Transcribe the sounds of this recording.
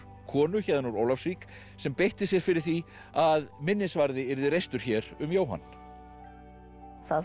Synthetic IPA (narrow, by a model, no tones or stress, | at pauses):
kʰɔːnʏçɛðanuɾoːwlafsvik | sɛmpejht̪ɪsjɛɾ̥fɪɾɪ̥θi | aðmɪnːɪsvaɾðɪɪɾðɪɾejst̪ʏɾ̥çɛɾʏmjoːwɦa̰nː | θa